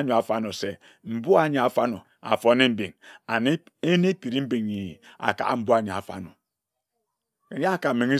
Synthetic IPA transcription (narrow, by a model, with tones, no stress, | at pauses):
ɲo˨a˨fa˦no˨se˨ | m̩˨bu˦a˦˨ɲe˨a˨fa˦no˨ | a̰˨fo˦ne˦m̩˦bi˨ŋ˨˦ | e˦ne˦pi˨ɾi˦m̩˦bi˨ŋi˨a̰˨ka̰˨ʔa̰˦m̩˦bu˦a˨ɲe˨a̰˨fa̰˦no˨ | ke˨˦a˦˨ka˨me˨ŋi˦